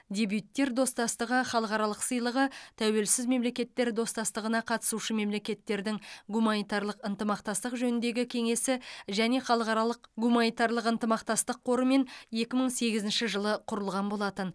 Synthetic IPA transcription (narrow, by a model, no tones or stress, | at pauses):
d̪ʲe̞bjut̪ːe̞ɾd̪o̞st̪ɑst̪əʁəχɑlˠəqɑɾɑlˠəqsəjlˠəʁət̪ʰæwe̞lsɪzme̞mle̞kʲe̞t̪ːe̞ɾd̪o̞st̪ɑst̪əʁənɑqʰɑt̪ə̥suʃəme̞mle̞kʲe̞t̪ːe̞ɾd̪ɪŋɡumanijt̪ɑɾlˠəqənt̪əmɑqt̪ɑst̪əqʒɵnɪnd̪e̞ɡʲɪkʲʰe̞ŋe̞sɪʒæne̞χɑlˠəqɑɾɑlˠəqɡumanijt̪ɑɾlˠəqənt̪əmɑqt̪ɑst̪əqʰːo̞ɾəme̞ne̞kʲɪməɴse̞ɡʲɪzɪnʃɪʒəlˠəqʰʊɾəlˠʁɑnbo̞lˠɑt̪ən